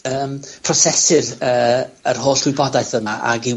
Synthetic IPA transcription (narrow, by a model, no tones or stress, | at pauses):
əːmpʰrɔsɛsɪrəːərɦoːɬɡ̥wɪbɔdaɨθəmaʔa̰ɡɪ